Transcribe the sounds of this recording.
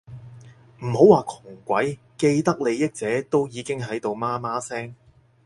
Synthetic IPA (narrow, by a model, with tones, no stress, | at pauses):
m̩˨˩ho˨˥waː˨kʰʊ˨˩ŋkʷɐ˨˥j | ke˧jt̪ɐ˥k̚le˨˧jɪ˥k̚t͡sɛː˨˥t̪o˥wjiː˨˧kɪ˥ŋɦɐ˨˥jt̪o˨wmaː˥maː˥sɛː˥ŋ